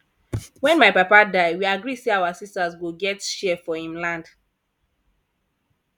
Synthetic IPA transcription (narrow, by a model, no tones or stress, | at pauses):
wɛ̃nmaɪpapadaɪwiaɡɹiseawasistazwuɡɛtʃɛfɔhĩmlãnd̥